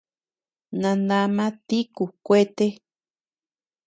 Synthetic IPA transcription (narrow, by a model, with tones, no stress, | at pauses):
nã˧ndã˧mã˦t̪i˦ku˨kʷe˦t̪e˦